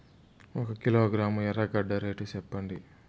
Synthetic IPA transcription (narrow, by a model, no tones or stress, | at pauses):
ɔkɐkiloːɡɾaːmuɛɾaːɡɐɖːɐɾeːʈut͡ʃɛpːɐɳɖi